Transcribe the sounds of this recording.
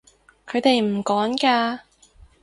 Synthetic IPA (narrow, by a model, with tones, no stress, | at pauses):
kʰɵ˨˧t̪e˨jm̩˨˩kɔː˨˥ŋkaː˧